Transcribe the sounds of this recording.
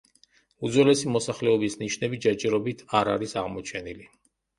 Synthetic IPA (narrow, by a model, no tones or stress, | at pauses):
ud̪zwɛlɛsimɔsaχlɛɔbisniʃnɛbid͡ʒat͡ʃʼɛɾɔbit̪ʰaɾaɾisaʁmɔt͡ʃʰɛnili